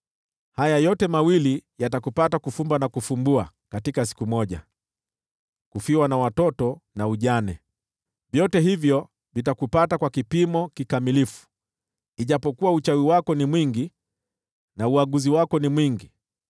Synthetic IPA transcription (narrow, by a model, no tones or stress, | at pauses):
hajajɔtɛmawilijatakupatakufumbanakufumbua | katikasi̥kumɔʄa | kufiwanawatɔtɔnauʄanɛ | vjɔtɛɦivjɔ | vitakupatakwakipimɔkikamilifu̥ | iʄapɔkuwaut͡ʃawiwakɔnimwiŋɡi | nauaɠuziwakɔnimwiŋɡi